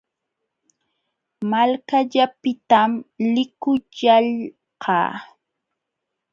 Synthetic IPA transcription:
malkaʎapɪt̪amlɪkʊʎaʎ | qɑ̰ː

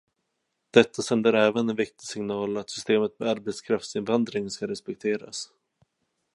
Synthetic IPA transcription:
d̪̥ɛt̪ʰːasɛnd̪əɾɛːvənɛnvɪk̚t̪ɪsɪŋnɑːlat̪sʏ̥st̪eːmət̪mɛaɾbɛt̪skʰɾaft̪sɪnvand̪ɾɪŋnskaɾɛspɛk̚t̪ʰeːɾa̰s

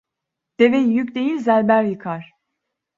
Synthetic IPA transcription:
d̪̥evejjycʲd̪ejilʲzælʲbæɾjɯkʰaɾ̥

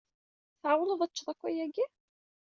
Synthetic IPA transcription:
θʕawələðˤæt͡ʃːðˤækʷːæjæɡi

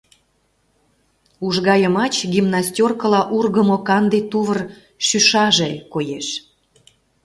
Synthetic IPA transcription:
uʒɣɑjəmɑt͡ɕɡʲimnɑsʲtʲorkəlɑʔurɣəmokɑnd̪et̪uβər | ʃyʃɑʒekojeʃ

